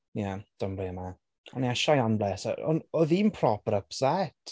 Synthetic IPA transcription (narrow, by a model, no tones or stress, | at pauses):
jad̥ɔmblina | ɔniaʃajanblɛsa̰ɔ̰nɔðinpʰrɔpəɾəpsɛt